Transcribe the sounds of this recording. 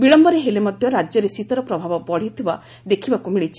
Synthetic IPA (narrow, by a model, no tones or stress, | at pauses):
biɭɔmbɔɾeɦelemɔd̪ʱjɔɾad͡ʒjɔɾesit̪ɔɾɔpɾɔbʱabɔbɔɽ̤it̪ʰiba | d̪ekʰibakumiɭit͡ʃʰi̥